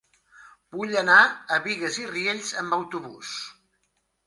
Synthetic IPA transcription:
b̥uʎənaəβiɣəzirieʎzəmbəwt̪uβus

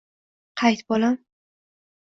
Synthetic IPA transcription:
qʰɑjt̪bolam

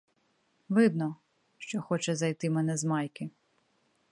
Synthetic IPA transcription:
ʋɪd̪nɔ | ʃt͡ʃɔxɔt͡ʃɛzɐjt̪ɪmɛnɛzmɑjkɪ

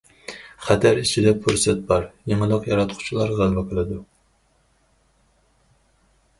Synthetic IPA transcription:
χæt̪ʰæɾit͡ʃʰid̪ɛpʰuɾsɛt̪̚bɑɾjeŋɨlˠəqjɑɾɑt̪qʰʊ̥t͡ʃʰilˠɑɾʁælˠvɛqʰəlˠɨd̪u

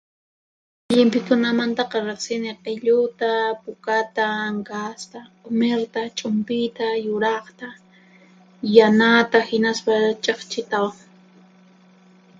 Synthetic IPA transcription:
ʎɪmpɪkʊnamant̪ɑqɑɾɪχsɪnɪqeʎʊt̪apʊkat̪aŋkast̪a | ʊmeɾt̪at͡ʃʼʊmpɪt̪ajʊɾɑχt̪a | janat̪ahɪnaspat͡ʃʼɑχt͡ʃɪt̪awaŋ

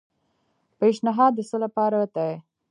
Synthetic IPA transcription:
peʃnɪɦɑd̪ːəsolapɑɾat̪ae

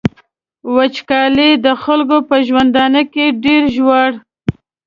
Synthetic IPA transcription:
wat͡ʃkɑled̪əxalɡopəʒwand̪ɑnəkeɖeɾʒwaɽ

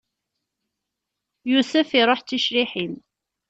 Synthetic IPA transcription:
jusæfiɾˤoħt͡sːiʃɾiħim

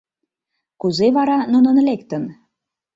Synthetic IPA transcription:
kuzeβɑɾɑnunə̆nlekt̪ə̆n

